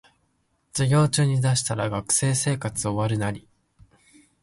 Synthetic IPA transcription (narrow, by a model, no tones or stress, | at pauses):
d͡ʑ̥iɡʲo̞ːt͡ɕɨːɲ̟id̪aɕi̥t̪aɾaɡakɯ̟̥se̞ːse̞ːkat͡sɨoβaɾɯ̟naɾʲi